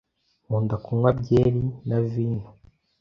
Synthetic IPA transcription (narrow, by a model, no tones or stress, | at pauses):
muːndakumwabɟeːɾinaviːnhu